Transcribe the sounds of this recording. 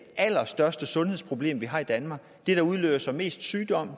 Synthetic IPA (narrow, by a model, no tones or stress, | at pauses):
ʔæl̰ɐsd̥ɶɐsd̥əsɔ̽nheð̞ˠspʰʁo̝b̥le̝̰ːmʋiɦɑ̈ːid̥ænmɑ̈ːɡ̥d̥eɾ̥ɑ̈uð̞ˠlø̰ːbɐsɒme̝̰ːsd̥syːd̥ɒ̽m̰